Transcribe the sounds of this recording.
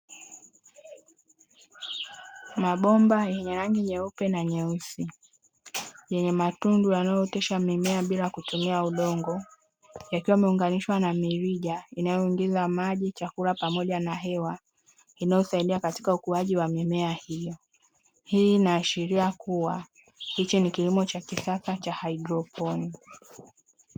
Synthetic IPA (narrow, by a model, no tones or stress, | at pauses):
maɓɔmbajɛɲɛɾaŋɡiɲɛupɛnaɲɛusi | jɛɲɛmatundujanajɔtɛʃamimɛaɓilakutumiauɗɔŋɡɔ | jakiwaimɛuŋɡaniʃwanamiɾiʄainajɔiŋɡizamaʄit͡ʃakuɾapamɔʄanaɦɛwa | inajɔsaiɗiakati̥kaukuaʄiwamimɛahijɔ | hiːnaːʃiɾiakuwa | hit͡ʃinikilimɔt͡ʃakisasat͡ʃahaidɾɔpʰɔni